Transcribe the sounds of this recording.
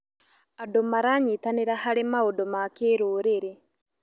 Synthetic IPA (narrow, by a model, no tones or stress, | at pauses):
adomaɾaɲiːtaneɾahaɾemaodomakeːɾoːɾeɾe